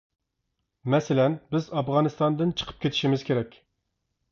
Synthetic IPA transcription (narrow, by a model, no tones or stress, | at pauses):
mɛsɪlɛnbɪzɑvʁɑnɨst̪ɑnd̪ɨnt͡ʃʰə̥qʰə̥p̚kʲet̪ʰiʃimɪzkʲʰeɾɛkʲ